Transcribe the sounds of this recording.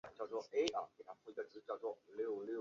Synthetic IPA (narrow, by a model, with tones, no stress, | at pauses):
t͡ɕjɑ˥˧ʊt͡swɔ˥˩e˥ʔə˨˩ke˥˩t̪ʰa˥˩ki˧˥ɡə˨˩t͡sɹ̩˧˥t͡ɕjɑ˥˧ʊt͡swɔ˥˩ljo˥˩ʊlj